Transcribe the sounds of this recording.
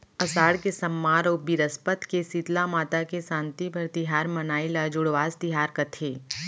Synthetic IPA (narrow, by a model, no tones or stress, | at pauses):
ɐsaːɽkesɐmːaːɾɔːbiɾəspət̪kesit̪lamaːt̪akesãːnt̪ibʱɐɾt̪ɪɦaːɾmɐnaːilad͡ʒʊɽʋaːst̪ɪɦaːɾkɐt̪ʰeː